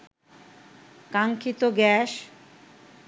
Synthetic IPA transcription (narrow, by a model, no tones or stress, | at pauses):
kaŋkʰit̪oɡɛʃ